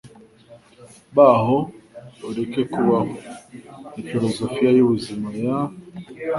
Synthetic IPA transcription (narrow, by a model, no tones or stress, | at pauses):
βaɦouɾe̞ke̞kuβaɦo | ifiɾo̞zofijajuβuzimaja